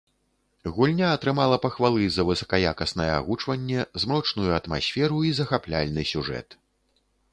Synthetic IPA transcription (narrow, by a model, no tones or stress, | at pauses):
ɣulʲnʲaːt̪ɾɨmalˠɐpɐxvalˠɨzɐvɨsɐ̥kɐja̰kɐsn̪ɐjɛa̰ɣut͡ʂvɐnʲːɛzmɾɔt͡ʂnujuɐt̪ma̰sʲfʲɛɾuizɐxaplʲa̰lʲnɨsʲuʐɛ̰t̪